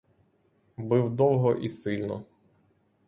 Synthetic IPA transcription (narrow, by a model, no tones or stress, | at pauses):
bɪwd̪ɔwˠɦɔʔisɪlʲnɔ